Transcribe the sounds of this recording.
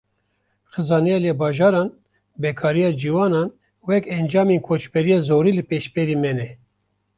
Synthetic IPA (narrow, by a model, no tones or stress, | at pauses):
xɨzɑːnɛjɑljɛbɑːʒɑːɾɑːn | bɛkʰɑːɾijɑːd͡ʒiwɑːnɑːn | wɛkɛnd͡ʒɑːmeːnkʰot͡ʃbɛɾijɑːzoːɾiːlɨpeʃbɛɾiːmɛnɛ